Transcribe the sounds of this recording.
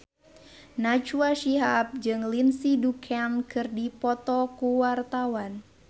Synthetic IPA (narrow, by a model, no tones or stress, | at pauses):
nat͡ʃuaʃiɦap̚d͡ʒɨŋlinsidukʰankɨrdipɔt̪ɔkuwart̪awan